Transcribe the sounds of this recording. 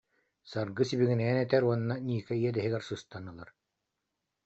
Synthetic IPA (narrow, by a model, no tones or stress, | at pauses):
saɾɡɯsibiɡinɛɛnɛt̪ɛɾuɔnːanʲiːkɛiɛd̪ɛɦiɡɛɾsɯst̪anɯlˠaɾ